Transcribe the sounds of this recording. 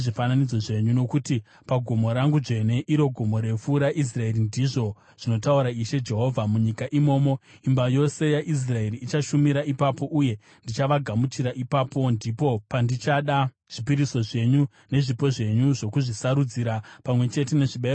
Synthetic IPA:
ʐifananid͡zo̞ʐe̞ɲuno̞kuti | paɡʱo̞mo̞ɾaŋɡud͡ʐe̞ne̞ʔiɾo̞ɡʱo̞mo̞ɾe̞fuːɾaʔis̬rae̞rindiʐo̞ | ʐ̥ino̞tauɾaiʃe̞d͡ʒe̞ɦo̞vʱamuɲikaʔimo̞ːmo̞imbajo̞se̞jaʔis̬rae̞ɾiːt͡ʃaʃumiɾaipapo̞ʔuje̞ | ndit͡ʃaʋaɡʱamutiɾaʔipapo̞ndipo̞pandit͡ʃaɗa | ʐ̥ipiɾiso̞ʐe̞ɲu | ne̞ʐipo̞ʐe̞ɲuʐo̞kuʐisaɾud͡ziɾapamwe̞t͡ʃe̞te̞ne̞ʐiɓe

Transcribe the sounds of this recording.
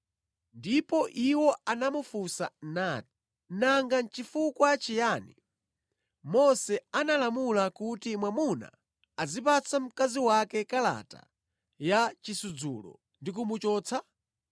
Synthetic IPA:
ndipɔʔiwɔanamufusanat̚i̥ | naŋɡan̩t͡ʃifukwat͡ʃijaːnḭ | mɔsɛanalamulakutimwamuna̰ | azipat͡sʰam̩kaziwakɛkala̰ta̰ | jat͡ʃisud͡zulɔ̰ | ndik̬umut͡ʃɔːt͡sʰa

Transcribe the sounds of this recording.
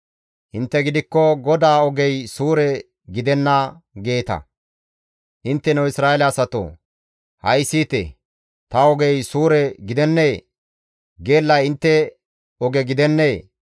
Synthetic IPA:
hɪnt̪ːɛɡɪd̪ɪkːɔɡɔd̪aːɔɡɛjsuːɾɛ | ɡɪd̪ɛnːɐɡe̞ːt̪ɐ̰ | ʔɪnt̪ːɛnɛwɪsɾaːelɛɐsɐt̪o̰ | hɐjsiːt̪ɛ̰ | t̪ɐɔɡɛjsuːɾɛɡɪd̪ɛnːeː | ɡeːlːɐjɪnt̪ːɛ | ɔɡɛɡɪd̪ɛnːeː

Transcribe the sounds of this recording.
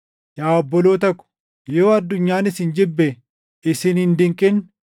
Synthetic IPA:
jaːɔbːɔloːt̪ɐkːʊ̥ | joːɐd̪ːʊɲːaːnɪsɪnd͡ʒɪbːɛ | ɪsɪnɪnd̪ɪŋkʼɪn

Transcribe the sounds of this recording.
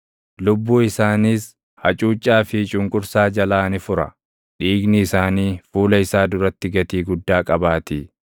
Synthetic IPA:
lʊbːuːɪsaːniːs | hɐt͡ʃʼuːt͡ʃʼːaːfɪt͡ʃʼʊŋkʼʊɾsaːd͡ʒɐlaːnɪfʊɾɐ̰ | ᶑiːɡnɪːsaːniːfuːlɐɪsaːd̪ʊɾɐt̪ːɪɡɐt̪iːɡʊd̪ːaːkʼɐbaːt̪iː

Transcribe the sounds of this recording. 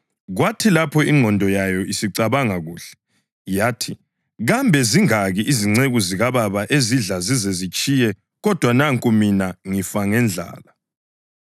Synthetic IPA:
ɣwatʰilapʰɔiŋŋ͡ǃʱɔndʱɔjajɔisiǀaβaŋaɣuːɬɛ̥ | jaːtʰi | ɣambʱɛziŋaɣiʔiziŋ͡ǀeɣuziɣaβaβaʔeziɮazizɛzit͡ʃʼijɛ | ɣɔd̥ʱwanaŋkʼuminaŋifaŋɛnd͡ɮʱa̰ːla

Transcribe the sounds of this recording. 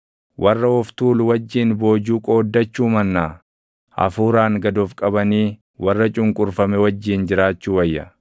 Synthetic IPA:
wʔɐrːɐɔft̪uːlwɐd͡ʒːiːnbo̞ːd͡ʒuːkʼo̞ːd̪ːɐt͡ʃːuːmɐnːaː | ʔɐ̰fuːɾaːŋɡɐd̪oːfkʼɐbɐniː | wɐrːɐt͡ʃʼʊŋkʼʊɾfɐmɛwɐd͡ʒːiːnd͡ʒɪɾaːt͡ʃːuːwɐjːɐ̰

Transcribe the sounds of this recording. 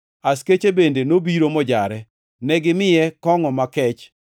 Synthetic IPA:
asket͡ʃebendenobiɾomɔd͡ʒaɾɛ | nɛɡɪmɪjɛkɔŋɔmakɛt͡ʃ

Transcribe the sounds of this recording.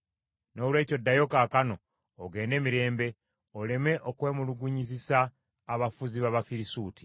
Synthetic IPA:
no̞ːlwe̞ːco̞dːajo̞kakano̞ː | ɡe̞ːnde̞ːmiɾe̞ːmbe̞ | ole̞me̞ʔokwe̞ːmuluɡuɲizisaː | βafuziβaβafiɾisuːti̥

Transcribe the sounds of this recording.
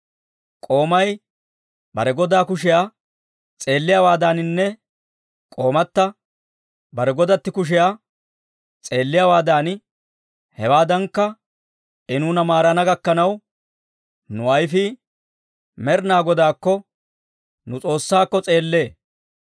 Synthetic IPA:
kʼo̞ːmɐj | bɐɾɛɡɔd̪aːkʊʃɪjaː | t͡sʼe̞ːlːɪjawaːd̪aːnɪnːɛ | kʼo̞ːmɐt̪ːɐ | bɐɾɛɡɔd̪ɐt̪ːɪkʊʃ̬ɪjaː | t͡sʼe̞ːlːɪjaːwaːd̪aːn | hɛwaːd̪ɐŋkːɐ | ʔɪnuːnɐmaːɾɐnɐɡɐkːɐnɐw | nʊɐjfɪ | mɛɾnaːɡɔd̪aːkːɔ | nʊt͡sʼo̞ːsːaːkːɔt͡sʼe̞ːlːe̞ː

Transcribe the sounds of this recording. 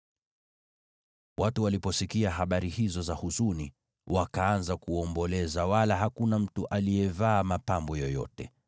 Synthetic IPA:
watuwalipɔsikiaɦaɓaɾihizɔzahusuni | wakaanzakuɔmbɔlɛzawalaɦakunam̩tuʔalijɛvaːmapambɔjɔjɔ̰tɛ

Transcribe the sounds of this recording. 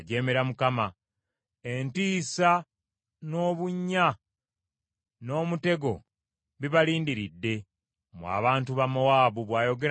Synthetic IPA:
ɟe̞ːme̞ɾamukama | e̞ntiːsa | no̞ːβuɲːa | no̞ːmute̞ɡo̞̰ | βiβaliːndiɾidːe̞ | mwa̰ːβaːntuβamowaːβuβwaːjo̞ɡe̞

